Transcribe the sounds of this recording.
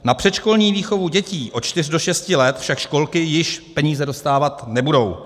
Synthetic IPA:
napr̥ɛt̪ʃko̞lɲiːviːxo̞vuɟɛciːʔo̞t͡ʃt̪ɪrdo̞ʃɛscɪlɛt̪fʃakʃko̞lkɪjɪʃpɛɲiːzɛdo̞st̪aːvat̪nɛbudo̞w

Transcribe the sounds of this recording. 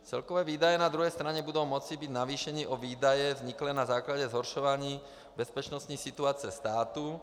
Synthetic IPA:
t͡sɛlkɔʋɛːʋiːd̪ajɛnad̪ɾuɦɛjst̪ɾaɲɛbud̪ɔːmɔt͡sibiɟnaʋiːʃɛɲiːʔɔʋiːd̪ajɛvzɲiklɛːnazaːklaɟɛzɦɔɾʃɔʋaɲiː | bɛspɛt͡ʃnɔst̪ɲisit̪uaːt͡sɪɛst̪aːt̪u

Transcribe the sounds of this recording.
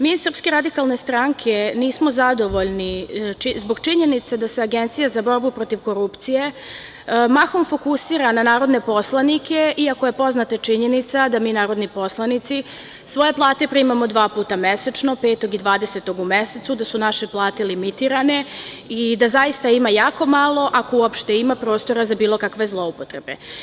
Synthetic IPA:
miːsɾr̩pske̞ɾad̪ikalˠne̞st̪ɾaŋkʰe̞niːsmo̞zad̪o̞ʋo̞ʎniizbo̞ɡt͡ʃiɲe̞nit̪sed̪aseaɡent̪sijazabo̞ɾbupɾo̞t̪iʋko̞ɾupt̪sije̞ | maxomfo̞kusiːɾananaːɾo̞d̪ne̞po̞slˠanikʰeʔiakoje̞po̞znat̪at͡ʃiɲe̞nit̪sad̪amiːnaːɾo̞d̪nipo̞slˠanit̪si | sʋo̞je̞plˠaːt̪e̞pɾimamo̞d̪ʋaːpuːt̪ameset͡ʃno̞peːt̪o̞ɡid̪ʋaːd̪e̞set̪o̞ɡumeset̪sud̪asunaʃe̞plˠaːt̪elimit̪iɾane̞ | id̪azajist̪aimajaːko̞malˠo̞ʔako̞uopʃt̪e̞imapɾo̞ːst̪o̞ɾazabiːlˠo̞kakʋe̞zlˠo̞upot̪ɾe̞be̞̰

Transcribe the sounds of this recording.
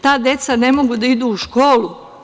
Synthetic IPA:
t̪aːd̪je̞t̪sane̞moɡud̪aid̪uuʃko̞ːlu

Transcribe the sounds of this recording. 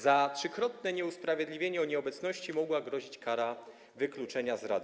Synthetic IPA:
zatʂɘkɾɔt̪nɛɲɛuspɾavʲjɛd̪lʲivʲjeɲɛɔɲɛɔbɛt̪snɔɕt͡ɕimɔɡwaɡɾɔʑit͡ɕkaɾa | vɘklut͡ʂɛɲazɾa̰d̪

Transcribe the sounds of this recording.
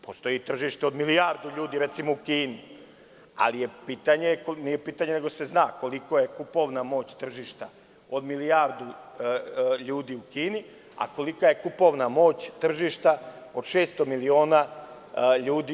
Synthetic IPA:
post̪o̞jit̪r̩ʒiʃt̪eo̞d̪milijaːɾd̪uʎuːd̪iɾet̪simoukiːni | a̰lijepiːt̪aɲekonijepiːt̪aɲeneɡo̞se̞znaːko̞liko̞je̞kupo̞ʋnamo̞ːt͡ɕt̪r̩ʒiʃt̪a | o̞d̪milijaːɾd̪u | ʎuːd̪iːukiːni | a̰ko̞likaje̞kupo̞ʋnamo̞ːt͡ɕt̪r̩ʒiʃt̪a | o̞d̪ʃeːst̪o̞milio̞ːna | ʎuːd̪i

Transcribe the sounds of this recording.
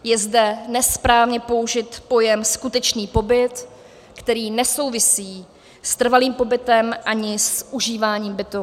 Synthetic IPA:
jɛzdɛnɛspɾaːvɲɛpo̞uʒɪt̪po̞jɛmskut̪ɛt͡ʃniːpo̞bɪt̪ | kt̪ɛɾiːnɛso̞wvɪsiː | st̪r̩valiːmpo̞bɪt̪ɛmʔaɲɪsʔuʒiːvaːɲiːmbɪt̪u

